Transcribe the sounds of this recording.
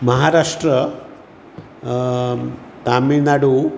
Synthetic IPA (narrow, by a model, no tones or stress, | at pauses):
mɐɦaːɾaːʂʈɾɐ | t̪aːminaːɽu